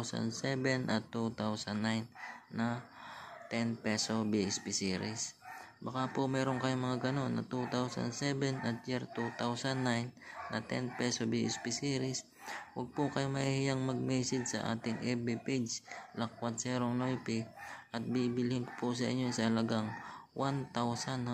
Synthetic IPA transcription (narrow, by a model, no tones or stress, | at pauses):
sɐ̰nd̪sɛbɛnʔɐt̪ːut̪awsɐnːajnːɐ | t̪ɛnpɛsobiʔɪspɪsiːɾɪsbɐkapʊmɛːɾoŋkɐjomɐŋaɡɐno̞nːɐ̰t̪ut̪awsɐ̰nsɛbɛnɐt̪̚d͡ʒɛɾt̪ut̪awsɐnːajnːɐt̪ɛ̰npɛsobiʔɪ̰spɪsiːɾɪs | wɐɡ̚pʊkɐjomɐhhɪjaŋmɐɡ̚mɛsɪd̪̚sɐʔa̰ːt̪ɪŋʔɛbɛpedslɐk̚wad̪sɛɾoŋnojpɪʔɐt̪̚bibɪlhɪŋkʊ̥pʊs̬ɐʔɪ̰ɲːonsɐhɐlɐɡaŋwʔant̪awsan